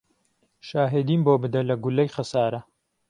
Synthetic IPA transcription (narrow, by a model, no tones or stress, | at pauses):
ʃaːɦed̪iːnboːbɨd̪ɐlɐɡʊlːɐjxɐsaːɾɐ